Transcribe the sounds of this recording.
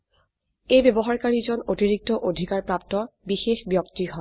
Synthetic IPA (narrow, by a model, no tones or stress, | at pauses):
ejbebɔɦaɹkaɹizɔnotiɹik̚tɔʔodʱikaɹpɹap̚tɔbixexbjɔktiɦɔ